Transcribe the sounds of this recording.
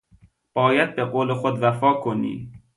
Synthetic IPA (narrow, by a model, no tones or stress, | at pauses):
b̥ɒːjæd̪̚beɢoːlexod̪væfɒːkʰonḭː